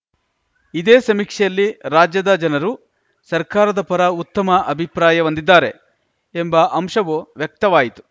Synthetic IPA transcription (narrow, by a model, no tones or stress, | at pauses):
id̪eːsɐmikʂɛjɐlːiɾaːd͡ʒjɐd̪ɐd͡ʒɐnɐɾu | sɐɾkaːɾɐd̪ɐpɐɾɐut̪ːɐmɐʔɐbʱipɾaːjɐʋɐnd̪id̪ːaːɾe̞ | embɐʔɐmʂɐʋuʋjɐk̚t̪ɐʋaːjit̪u̥